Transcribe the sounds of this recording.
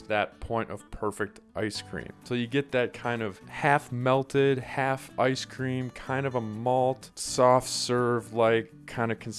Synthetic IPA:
ðɨt̚pʰɔ̃ɪ̃ñtʌ̰v̥pʰɜ˞fɨk̚tʔa̰ɪskʰɹ̥ḭ̃mtʰoʊjɨɡɛt̪̚ðɨt̚kʰãɪ̃ndʌv̥hæfmɛlˠtʰɪd̚hæfʔaɪskʰɹ̥ĩmkʰãɪ̃ndʌvəmɔlˠtsɔftsɜ˞vlaɪkʰːãɪ̃ndʌ̥kʰn̩

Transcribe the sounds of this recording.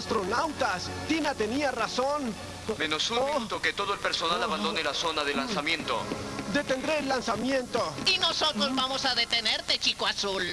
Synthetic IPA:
st̪ɾonawt̪ast̪inat̪e̞niarason | menosunot̪oket̪o̞ðoelpeɾso̞nalaββand̪o̞nelaso̞naðelansamjẽ̞nt̪o̰d̪e̞t̪end̪ɾeːlːansamjent̪oinosot̪ɾozβamosaðet̪eneɾt̪et͡ʃikwasul

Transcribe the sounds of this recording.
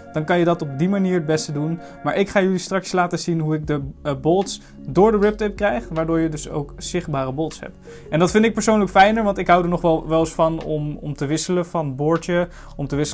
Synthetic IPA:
d̥ɑnkɑnjədɑtɔb̚dimaniːɹəd̚bɛstədun | maːɹʔɪkχaːjʏlistrɑkslaːtəzinɦuɪɡ̚dəbɔlˠts | dʊːɹdəɹɪp̚tɪp̚krɛjχʋaːɹdʊːɹjədɵso̰wkz̥ɪχbaːrəbɔlˠtsɦɛ̰p | ɛndɑtfɪndɪk̚pəɹsownləkfɛjnəɹʋɑntɪkɦʌwdəɹnɔχʋɛlˠʋɛlˠɪsfɑnɔmɔ̰mtəʋɪsələvɑnbʊːɹtə | ɔmtəʋɪsə

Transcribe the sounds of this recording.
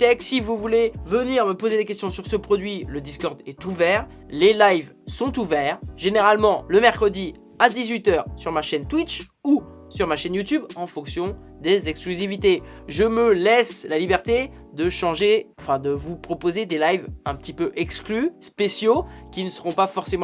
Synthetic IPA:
t̪ɛksivuvulevəniʁməpozed̪ekʲɛst̪jɔ̃syʁsəpχɔd̪ɥiləd̪iskɔʁd̪ɛt̪uvɛʁ | lelajv | sɔ̃t̪uvɛʁʒeneʁalmɑ̃ləmɛʁkχəd̪i | ad̪izɥit̪œːʁsyʁmaʃɛnt̪wit͡ʃ | u | syʁmaʃɛnjut̪ybɑ̃fɔ̃ksjɔ̃ | d̪ezɛksklyzivit̪eʒəməlɛslalibɛʁt̪e | d̪əʃɑ̃ʒeɑ̃fɛ̃d̪əvupχɔpozed̪elajvɛ̃pət̪ipøʔɛksklyspesjokʲinəsəʁɔ̃pafɔʁsemɑ̃

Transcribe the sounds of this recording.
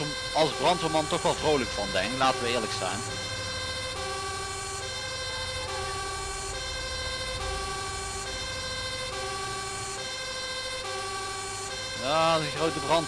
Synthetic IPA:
ɑlˠzbrɑntomɑntɔxʋɑlˠvrowləkfɑndɛŋlaːtəʋəɪːɹləksɛ̰jn | jaːdəxrowtəbrɑn

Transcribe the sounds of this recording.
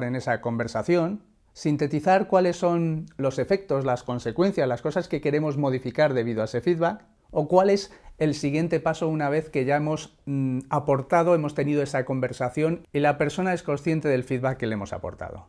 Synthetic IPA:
ɾe̞ne̞sako̞mbe̞ɾsaθjo̞n | sint̪e̞t̪iθaɾkwale̞sːo̞nlo̞se̞fe̞k̚t̪o̞szlasko̞nse̞kwẽ̞n̟θjazlasko̞saske̞ke̞ɾe̞mo̞zmo̞ð̞ifikaɾðe̞β̞iðoaese̞fiðβak | o̞kwale̞se̞lsiɣje̞nt̪e̞paso̞unaβ̞e̞θke̞ʝae̞mo̞sapo̞ɾt̪aðo̞e̞mo̞st̪e̞nið̞oe̞sako̞mbe̞ɾsaθjo̞nilape̞ɾso̞nae̞sko̞nsθjent̪e̞ðe̞lfiðβakːe̞le̞mo̞sa̰po̞̰ɾt̪a̰ð̞o̞̰

